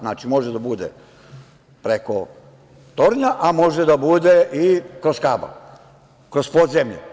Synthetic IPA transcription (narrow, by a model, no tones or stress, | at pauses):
znaːt͡ʃimo̞ʒed̪abud̪ḛ | pɾeko̞ | t̪o̞ɾɲaʔamo̞ʒed̪abud̪eʔikɾoskaːba̰ | kɾospod̪zemʎḛ